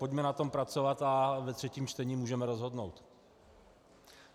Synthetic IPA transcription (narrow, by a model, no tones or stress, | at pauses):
pocmɛnat̪o̞mpɾatt͡so̞vat̪avɛt̪r̝̥ɛciːmt͡ʃt̪ɛɲiːmuːʒɛmɛɾo̞zɦo̞dnowt̪